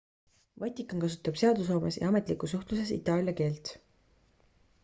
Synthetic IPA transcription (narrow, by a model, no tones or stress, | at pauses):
vɑt̪ʲːˑikːˑɑnkɑs̬u̥t̪ːˑɑb̥se̞ɑd̪us̬hoːmesjʔɑ̰ɑme̞t̪ˑlikˑusuht̪luse̞sḭt̪ːˑɑːlʲjɑke̞ːlt̪